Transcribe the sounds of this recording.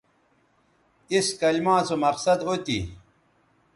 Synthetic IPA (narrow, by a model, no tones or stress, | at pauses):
iskɐlmãːt͡somɐqsɐd̪ɦot̪ḭ